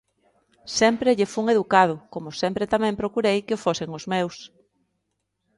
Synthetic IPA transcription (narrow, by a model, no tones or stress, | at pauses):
sɛmpɾeʎefuŋeðukað̞ʊkomʊsɛmpɾet̪amɛ̃mpɾokuɾejkɪofosɪŋozmews